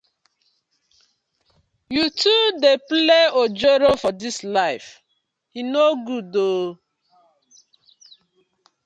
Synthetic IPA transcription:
jutudepleod͡ʒeɾofɔdislaɪf | hinoɡudo

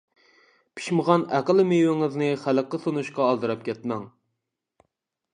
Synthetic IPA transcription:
pʰi̥ʃməʁɑnæqəlˠmejwɪŋɪznɨχæləqːəsunuʃqɑːlˠd̪ɨɾɑp̚kʲɛt̪mɛŋ

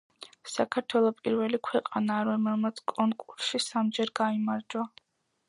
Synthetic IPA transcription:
sakʰaɾt̪ʰwɛlˠɔpʼiɾvɛlikʰwɛqʼanaɾɔmɛlˠmat̪sʰkʼɔŋkʼuɾsʃisamd͡ʒɛɾɡaimaɾd͡ʒwa

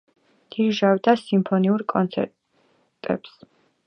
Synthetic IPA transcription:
d̪̥ʰiɾʒawd̪asimpʰɔniuɾkʼɔnt̪sʰɛ̰ɾ | t̪ʼɛ̰ps

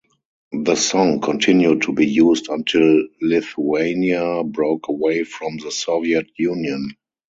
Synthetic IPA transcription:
ðəsɔ̃ŋkʰɔ̃ntʰɪ̃njud̚tʰubiːjuːzdãntʰɪlːɪθueɪniabɹoʊkʰəweɪfɹɔ̃mðəsɔviɛtjũːnjə̃n

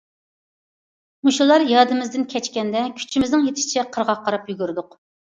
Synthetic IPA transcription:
muʃulˠɑɾjɑːd̪ɨmɪzd̪ɪnkʲʰɛt͡ʃkʲɛnd̪ɛkʲʰy̥t͡ʃʰimɪznɪŋjet̪ʰɪ̥ʃt͡ʃʰɛqʰəɾʁɑqʰːɑɾɑpjyɡʲyɾd̪ʊq

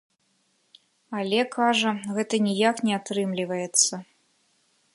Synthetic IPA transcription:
alʲɛkʰaʐɐɣɛt̪ɐnʲijaknʲɛat̪ɾɨmlʲivɐjɛt̪sːɐ

